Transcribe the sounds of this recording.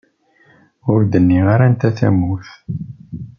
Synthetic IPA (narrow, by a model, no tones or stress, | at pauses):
ʊɾd̪ənːiʁaɾænt̪æθæ̰muθ